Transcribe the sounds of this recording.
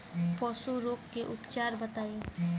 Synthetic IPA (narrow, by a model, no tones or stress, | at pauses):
pɔːsoɾoːkːeʔʊpt͡ʃaːɾbət̪aːe